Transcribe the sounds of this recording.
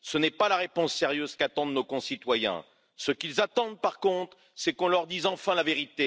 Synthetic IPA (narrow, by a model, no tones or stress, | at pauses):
sənɛpalaʁepɔ̃sːeʁjøz̥kat̪ɑ̃d̪nokɔ̃sit̪wajɛ̰̃ | səkilzat̪ɑ̃d̪paʁkɔ̃t̪χ | sɛkɔ̃lœʁd̪izɑ̃fɛ̃laveʁit̪e